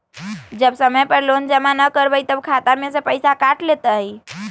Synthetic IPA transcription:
d͡ʒəbsəməjpəɾlond͡ʒəmanəkəɾbəjt̪əbkʰat̪amesəpəjsakaʈlet̪əi

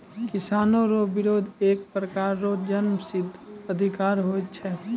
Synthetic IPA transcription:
kɪsaːnõɾobɪɾoːd̪ʱeːk̚pɾəkaːɾːoːd͡ʒənmsɪd̪ʱːəd̪ʱɪkaːɾɦoːt̪̚t͡ʃʰɛ

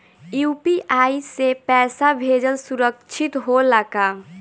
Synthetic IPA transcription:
jupiʔaisepɛːsabʱed͡ʒəlsuɾəkt͡ʃʰit̪ɦolaka

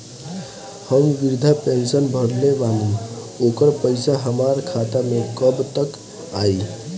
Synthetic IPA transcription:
həmʋiɾd̪ʱapensənbʱəɽnebalu | okəɾpəɪsaɦəmaɾkʰat̪amekəbt̪ək | ai

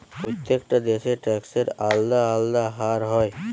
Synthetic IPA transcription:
pɾot̪jekʈad̪eʃeʈɛkseɾald̪aːld̪aɦaɾɦɔe

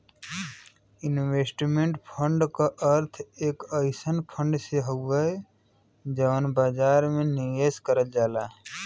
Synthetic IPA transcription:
ɪnweːsʈmẽɳʈpʰəɳɖkaʔəɾt̪ʰeːkəɪsənpʰə̃ɳɖseɦoə | d͡ʒəʋənbaːd͡ʒaːɾmẽnijeskəɾəld͡ʒaːlaː

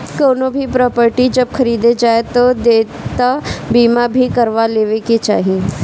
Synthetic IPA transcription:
koːnobʱipɾɔːpəɾʈid͡ʒɐbxʰɐɾiːd̪ed͡ʒaːet̪od̪eː | t̪abiːmabʱikɐɾʋaleːʋeket͡ʃa̰ːɦie

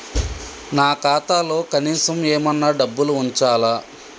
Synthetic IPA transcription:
naːkaːt̪aːlo̞ːkɐniːsɐmeːmɐnːɐɖɐbːuluuɲt͡ʃaːla

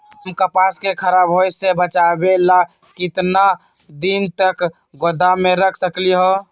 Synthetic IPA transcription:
ɦəmkəpaskekʰəɾabɦojsebət͡ʃabela | kɪt̪na | d̪int̪ək | ɡod̪ameɾəkʰsəkliɦo

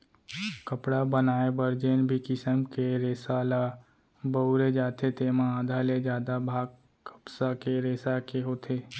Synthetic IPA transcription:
kəpɽabənaːebəɾd͡ʒenbʱikɪsəmkeɾeːsala | bəʊɾed͡ʒaːt̪ʰet̪eːmããːd̪ʱaːled͡ʒjaːd̪abʱaːɡ̚ | kə̥psakeɾeːsakeɦoːt̪ʰeː

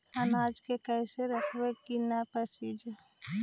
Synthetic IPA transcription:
ənaːd͡ʒkekəɪseɾəkʰwekinapəsid͡ʒ

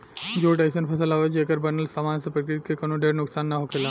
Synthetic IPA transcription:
d͡ʒoːʈaɪsənpʰɐsəlaːʋed͡ʒeːkəɾbənəlsaːmaːnsepɾəkɾɪt̪̚kekɐnõɖeːɽnʊksaːnːɐɦokʰelaː

